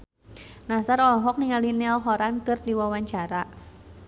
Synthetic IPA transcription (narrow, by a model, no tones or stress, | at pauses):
nasaɾɔlɔɦɔk̚niŋalinɛlɦɔɾankɨrdiwawaɲt͡ʃaɾa